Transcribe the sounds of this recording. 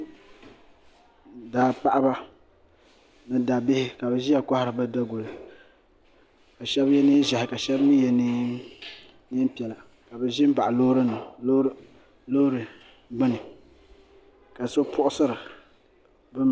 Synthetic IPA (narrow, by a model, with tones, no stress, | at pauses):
daː˨pa˦ʔa˦ba˦ | nɨ˦da˨bɪ˦hɪ˦ka˨bɛ˨ʒi˦a˨ka˦hɪ˦ɾɨ˨ba˦da˦ɡo˨lɨ˨ | ka˨ʃɛ˦bjɛ˦ni˦ʒa˨hɪ˨ka˨ʃɛ˦bni˦jɛ˨ni˦ | ni˦m˦pi˨ɛ˨la˨ | ka˨bɛ˨ʒɪ˦m˦ba˨ʔa˨lo˦ɾɨ˦nɨ˨˦ | lo˦ɾɨ˨˦ | ɡ͡bɨ˦nɨ˨ | ka˨so˦pʰʊ˦ʔʊ˦sɨ˦ɾɨ˨ | bɨ˦m